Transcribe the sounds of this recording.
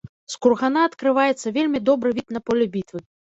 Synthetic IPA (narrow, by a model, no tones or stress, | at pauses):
skurɣanaɐt̪kɾɨvajɛt̪sːɐvʲelʲmʲid̪ɔbɾɨvʲit̪nɐpɔlʲɛbʲit̪vɨ